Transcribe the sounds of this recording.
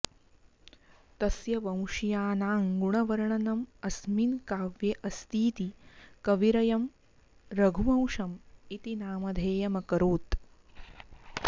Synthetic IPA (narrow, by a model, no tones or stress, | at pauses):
t̪ɐsjɐʋɐ̃w̃ʃijaːnaːŋɡuɳɐʋɐɾɐɳɐnɐmɐsminkaːʋjeʔɐst̪iːt̪ikɐʋiɾɐjɐm | ɾɐɡʱuʋɐ̃w̃ʂɐmit̪inaːmɐd̪ʱeːjɐmɐkɐɾoːt̪